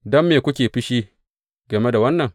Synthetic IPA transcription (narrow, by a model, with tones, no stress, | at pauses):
dɔ˦mːeː˨kʷʊ˦kʲeː˨ɸɪ˦ʃiː˦ | ɡɐ˨me˦da˨wɐ˦nːɐ˨ŋ